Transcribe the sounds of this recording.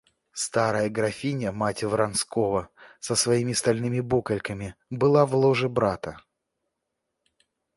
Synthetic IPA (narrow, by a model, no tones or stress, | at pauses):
st̪aɾəjəɡɾɐfʲinʲəmatʲɪvɾɐnskovəsəsvɐimʲɪst̪ɐlʲnɨmʲɪbukəlʲkəmʲɪbɨlˠavlˠoʐɨbɾat̪ə